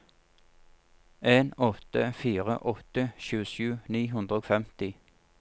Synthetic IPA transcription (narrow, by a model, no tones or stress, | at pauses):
eːnɔt̪əfiːʁə̰ʔɔt̪əʃʉːəʃʉːniːɦʉnd̪ʁəoːfɛmt̪ɪ